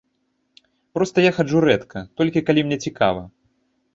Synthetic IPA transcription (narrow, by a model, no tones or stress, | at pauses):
pɾɔst̪ɐjaxat͡ʂuɾɛt̪kʰɐt̪ɔlʲkʲikalʲimnʲɛt͡sʲika̰vɐ̰